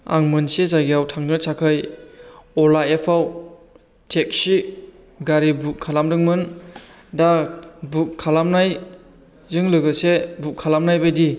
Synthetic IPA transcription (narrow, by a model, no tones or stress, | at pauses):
a̰ŋmɯnsezaɡijawtʰaŋnɯsʰakʰɯj | ɔlaepʰaw | tʰek̚si | ɡaɾibukkʰːalamdɯŋmɯn | dabukkʰːalamnaj | zɯŋlɯɡɯsebukʰːalamnajbajdi